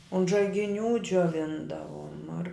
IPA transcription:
ʊnt ʒɐɪɡʲɪˈnʲuː d͡ʒʲoːˈʋʲɪndɐʋuɔm ɐr

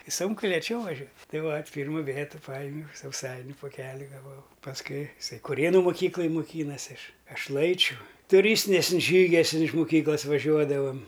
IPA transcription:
ɪ ˈsʊŋkʊ lʲeːˈt͡ʃʲɛʊ ʋɐˈʒʲuɔ ˈtɐɪ ʋɐtʲ ˈpʲiːrmʊ ˈʋʲeːtʊ ˈpɑːjɪmʲɛʊ sɐʊˈsɐɪnʲʊ poːˈkʲæːlʲɪ ɡɐˈʋɐʊ pɐsˈkʊɪ ɪˈsɐɪ kʊˈrʲeːnʊ moːˈkʲiːklˠɐj moːˈkʲiːnɐsʲɪ ˈɐʃ ˈɐʃ ˈlˠɐɪt͡ʃʲʊ tʊˈrʲiːsʲtʲɪnʲɛsən ˈʒʲiːɡʲɛsən ˈtʲɛn ɪʃ mʊˈkʲiːklˠɐs ʋɐˈʒʲuɔdɐʋɐm

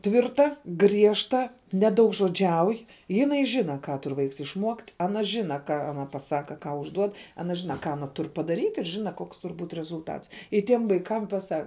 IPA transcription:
ˈtʲʋʲɪrtɐ ˈɡrʲiɛʃtɐ nʲɛdɐʊɡʒoːˈd͡ʒʲɛʊj jɪˈnɐɪ ˈʒʲɪnɐ ˈkɑː ˈtʊr ˈʋɐɪks ɪʃˈmuɔkt ɐˈnɐ ˈʒʲɪnɐ ˈkɑː ɐˈnɐ pɐˈsɑːkɐ ˈkɑː ʊʒˈduɔt ɐˈnɐ ˈʒʲɪnɐ ˈkɑː ɐˈnɐ ˈtʊr pɐdɐˈrʲiːtʲ ɪr ˈʒʲɪnɐ ˈkoːks ˈtʊr buːtʲ rʲɛzʊlˠˈtɐts ɪ ˈtʲiɛm ʋɐɪˈkɐm pɐˈsɐ

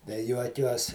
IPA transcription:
tɐɪ ˈjuɔkʲuɔs

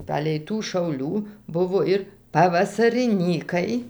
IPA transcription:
ˈpɑːlʲɛɪ tuː ʃɐʊˈlʲuː ˈbʊʋoː ɪr pɐʋɐsɐrʲɪˈnʲiːkɐɪ

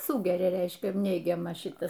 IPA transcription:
ˈsuːɡʲɛrʲɛ ˈrʲɛɪʃʲkʲɛ ˈnʲɛɪɡʲɛmɑː ˈʃʲɪtɐs

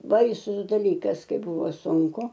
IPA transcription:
ˈbɐɪsʊs dɐˈlʲiːkɐs ˈkɐɪ ˈbuːʋoː sʊŋˈkʊ

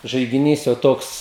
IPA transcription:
ʒɐɪɡʲɪˈnʲiːs jɛʊ ˈtoːks

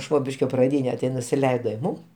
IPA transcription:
ˈʃʋoːbʲɪʃʲkʲoː prɐˈdʲiːnʲɛ tʲɪ nʊsʲɪˈlʲɛɪdoː ɪ ˈmuːm

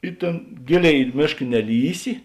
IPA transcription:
ɪ ˈtʲeːn ˈɡʲeːˌlʲeːɪ ɪ ˈmʲeːʃk nʲɛˈlʲiːsʲɪ

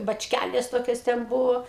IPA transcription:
bɐt͡ʃʲˈkʲælʲeːs ˈtoːkʲoːs tʲɛn ˈbʊʋoː

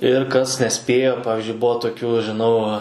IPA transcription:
ɪr kɐs nʲɛˈsʲpʲeːjoː ˈpɑːʋʲɪzʲd͡ʒʲʊɪ ˈbuɔ toːˈkʲuː ʒʲɪˈnɐʊ

